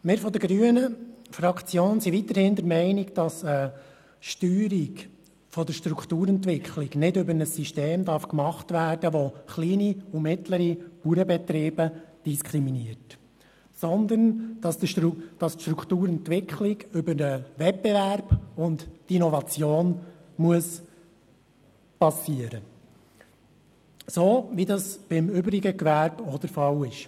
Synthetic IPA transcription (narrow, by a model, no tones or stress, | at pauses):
mɪɾfɔd̪əɾɡɾyənəfɾɑkʰt͡sjoːnsiʋit̪ːəɾhɪnd̪əɾmɛɪniɡd̥ɑsə | ʃtyːɾiɡ | fɔd̪əɾʃtɾukʰt̪uːɾɛntʋɪkχliɡnɪdɵbəɾnəsːiʃteːmd̪ɑɾfkmɑχtʋæːrd̥əʋɔχliːniumɪtləɾipuɾəbɛt̪ɾiːbəd̥iskʰɾiminiəɾt | sɔnd̪ənɑsd̥ɑstʃtɾukʰt̪uːɾɛntʋɪkʰχlɪɡʏbənəʋɛt̚b̥ɛʋæɾb̥ʊndtinɔvɑt͡sjoːnmuəs | pɑsːiəɾə | soːʋidɑsb̥ɪmʏbɾiɡəkʋæɾbod̥̪əɾfɑwɪʃ